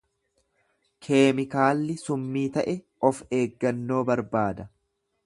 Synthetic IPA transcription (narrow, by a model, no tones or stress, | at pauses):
kʰe̞ːmɪkaːlːɪsʊmːiːt̪ɐʔɛ | ɔfe̞ːɡːɐnːo̞ːbɐɾbaːd̪ɐ